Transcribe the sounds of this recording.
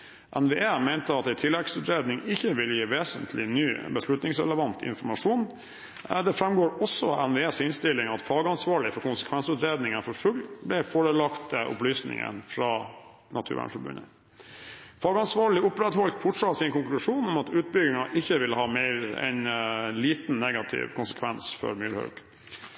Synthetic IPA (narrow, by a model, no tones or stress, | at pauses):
ʔɛ̰nʋeːʔeːmæɪnt̪əɑt̪ɛɪt̪ʰɪlːɛɡsʉːt̪ɾeːd̪nɪŋɪçːəʋɪljiːʋeːsənt̪ʰlɪnyːbəsʂlʉt̪nɪŋsɾɛ̰ləʋɑnt̪ʰɪ̰nfɔɾmɑʂuːn̰ | d̪ɛfɾɛmɡoːɾɔsːɔɛnʋeeːsɪnst̪ɪlɪŋɑt̪fɑːɡɑnsʋɑːɭɪfɔɾkʊnsə̥kʰʋɛnsʉt̪ɾeːd̪nɪŋənfɔɾfʉɡlblɪfoːɾəlɑkt̪ʔʊ̰plyːsnɪ̰ŋə̰nfɾɑː | nɑt̪ʰʉ̰ɾʋæ̰ɳfɔbʉ̰nə̰ | fɑːɡɑnsʋɑːɭɪʊpɾɛd̪hɔlt̪fɔʈʂɑt̪ːsɪnkʊŋklʉʂuːnɔmɑt̪ʉːt̪̚bʏɡɪŋɑʔɪçːəʋɪlhɑːmeɪɾɛ̰nliːt̪n̩nɛɡɑt̪ʰɪ̰ʋkʰʊnsə̥kʰʋɛnsfɔ̰ɾmyːɾhœ̰k